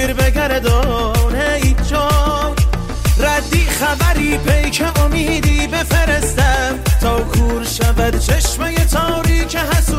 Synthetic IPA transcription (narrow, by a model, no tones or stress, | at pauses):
ɾbeɡæɾed̪ɒːneind͡ʒɒː | ɾæd̪ːiːxævæɾiːpʰejkʰeʔomiːd̪iːbe̞feɾest̪æmt̪ʰɒːkʰuːɾʃævæd̪t͡ʃʰe̞ʃmejet̪ʰɒːɾiːkʰeɦæsu